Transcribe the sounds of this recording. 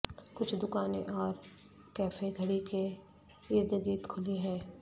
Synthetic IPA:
kʊt͡ʃʰd̪ʊkaːneʔɔːɾ | kɛːfeɡʱɐɽike | iːɾd̪əɡiːt̪kʰʊliɦɛ̃ː

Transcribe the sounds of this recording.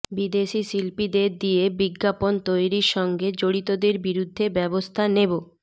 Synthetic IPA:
bid̪eʃisilpid̪eɾd̪ijebiɡːapont̪ojɾiɾʃɔŋɡed͡ʑoɽit̪od̪eɾbiɾud̪ʱːebɛbost̪ʰanebo

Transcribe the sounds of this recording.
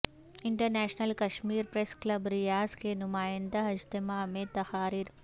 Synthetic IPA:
ɪɳʈəɾnɛːʃnəlkɐʃmiːɾpɾesklɐbɾɪjaːzkenʊmaːjɪ̃nd̪aɪd͡ʒt̪ɪmaːmẽt̪ɐxaːɾiːɾ

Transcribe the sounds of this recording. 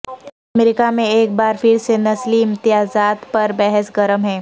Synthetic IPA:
ɐmeːɾɪkamẽeːk̚baːɾfʰɪɾsenɐsliɪ̃mt̪ɪjaːzaːt̪pɐɾbɛɦɛsɡɐɾəmɦɛ̃ː

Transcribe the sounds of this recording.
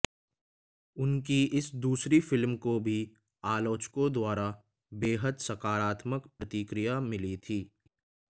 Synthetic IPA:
ʊnkiɪsd̪uːsɾifɪlmkobʱi | aːloːt͡ʃkõd̪waːɾa | beːɦəd̪sɐkaːɾaːt̪məkpɾɐt̪ikɾijamɪlit̪ʰiː

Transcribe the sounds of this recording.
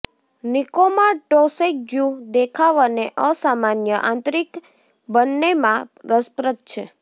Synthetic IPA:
nikomaʈosek̚d͡ʒud̪ekʰaʋəneʔəsamanjəʔã̰nt̪ɾik | bənːemãɾəspɾət̪̚t͡ʃʰe

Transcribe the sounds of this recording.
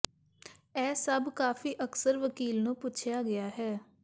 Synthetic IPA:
ɛːsəbkaːfiːʔəksəɾʋəkiːlnũːpʊt͡ʃʰjaːɡɪjaːɦɛː

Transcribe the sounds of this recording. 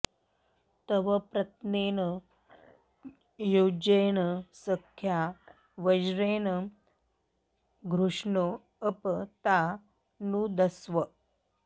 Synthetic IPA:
t̪əʋəpɾɐt̪neːnə | jod͡ʑenəsəkʰja | ʋəd͡ʒɾeːnə | ɡʱɾuʂɳo | əpt̪a | nũːd̪əsʋə

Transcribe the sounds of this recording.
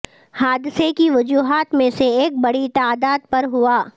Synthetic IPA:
haːd̪ɪsekiʋʊd͡ʒuːɦaːt̪mẽseeːk̚bɐɽit̪aːd̪aːd̪̚pɐɾɦʊaː

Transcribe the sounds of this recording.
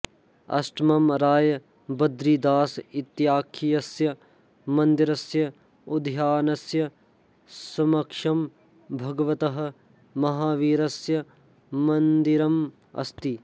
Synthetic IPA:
ɐ̰sʈɐmɐmɾaːjɐ | bɐd̪ɾid̪aːsit̪jaːkʰijɐsjɐ | mɐnd̪iɾɐsjɐ | ud̪ʱjaːnɐsjɐ | sɐmɐkʂɐm | bʱɐɡɐʋɐt̪ɐɦɐ̆ | mɐɦaːʋiːɾɐsjɐ | mɐnd̪iɾɐm | ɐ̰st̪i

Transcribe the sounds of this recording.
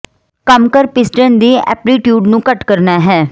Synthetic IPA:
kəmkəɾpɪsʈənd̪iːɛ̰ːpɾiːʈjuːɖnũːkəʈkəɾnaːɦɛː

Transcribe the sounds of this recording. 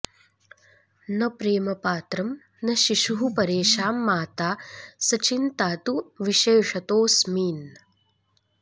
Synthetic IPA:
nɐpɾeːmɐpaːt̪ɾɐm | nɐʃiʃuɦupɐɾeːʃaːmːaːt̪aːsɐt͡ʃint̪aːt̪uʋiʃeːʂɐt̪oːsmiːn

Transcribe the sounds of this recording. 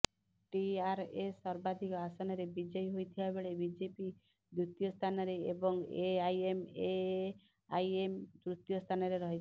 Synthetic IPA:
ʈiaɾesɔɾbad̪ʱikɔasɔnɔɾebid͡ʒɔjɦojt̪ʰibabeɭebid͡ʒepi | d̪ɾut̪jost̪ʰanɔɾeḛbɔŋeajeme | ajemd̪ɾut̪jɔst̪ʰanɔɾeɾɔɦit͡ʃʰ

